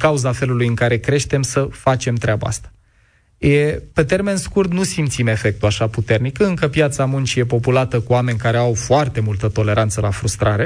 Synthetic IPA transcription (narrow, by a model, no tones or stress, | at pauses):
kauzafe̞lulujɨŋkaɾe̞kɾe̞ʃt̪e̞msəfat͡ʃe̞mt̪ɾeaba̰a̰st̪ḁ | jepe̞t̪e̞rme̞nskurt̪nusimt̪sime̞fe̞k̚t̪uaʃaput̪e̞rnikəɨŋkəpjat̪samunt͡ʃije̞po̞pulat̪əkuame̞nʲkaɾe̞awfoart̪e̞mult̪ət̪o̞le̞ɾant̪səlafɾust̪ɾaɾe̞